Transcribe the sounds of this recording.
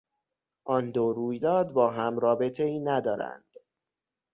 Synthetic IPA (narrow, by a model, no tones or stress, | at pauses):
ʔɒnd̪oɾuːjd̪ɒːd̪̚bɒːɦæmɾɒːbe̞t̪ʰe̞iːnæd̪ɒːɾæ̰nd̪̥